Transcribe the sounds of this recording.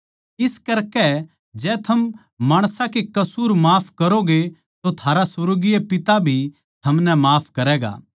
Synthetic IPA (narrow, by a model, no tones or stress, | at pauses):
ɪskɐɾkɛ | d͡ʒɛːt̪ʰɐmː | aːɽ̃sãkekɐsuːɾmaːpʰkɐɾoɡe | t̪ot̪ʰaːɾasʊɾoɡiepɪt̪abʱi | t̪ʰɐmnɛmaːpʰkɐɾɛːɡa̰ː